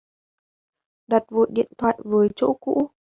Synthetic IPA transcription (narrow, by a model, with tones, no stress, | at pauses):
ɗa˨˩t̚vo̰˨˩˨jɗḭ˧˨ənt̪ʰwa̰ː˧˨jvəː˨˦jt͡ɕo̰˧˥kṵ˧˥